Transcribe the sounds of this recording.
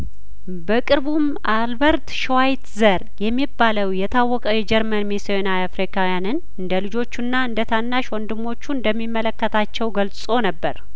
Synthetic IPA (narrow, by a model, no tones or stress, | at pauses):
bəkʼɨɾβum | ʔalbəɾt̪ʃwajt̪zəɾjɛmːibːaləwjɛt̪ʰawːɔkʼəwjɛd͡ʒɛɾmənmisionaafɾikʰawijanɨn | ɨnd̪əlɨd͡ʒo̞t͡ʃːunːaɨnd̪ət̪ʰanːaʃwɔnd̪ɨmːo̞t͡ʃːuɨnd̪əmːimːələkːət̪ʰat͡ʃːɛwɡəlssʼo̞nəbːəɾ